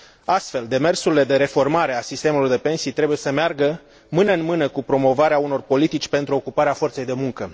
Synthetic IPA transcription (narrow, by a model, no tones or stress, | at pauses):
ast̪fe̞ld̪e̞me̞rsuɾile̞d̪e̞ɾe̞fo̞rmaɾe̞asist̪e̞mulord̪e̞pe̞nsijt̪ɾe̞buje̞səmearɡə | mɨnəɨnmɨnəkupɾo̞mo̞vaɾeauno̞rpo̞lit̪it͡ʃʲpe̞nt̪ɾuo̞kupaɾeafo̞rt̪se̞jd̪e̞muŋkə